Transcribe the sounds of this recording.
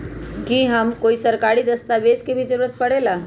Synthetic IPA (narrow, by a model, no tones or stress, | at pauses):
kiːɦəmkoiːsəɾkaɾiːd̪əst̪aʋed͡zkebʱid͡zəɾuɾət̪̚pəɽela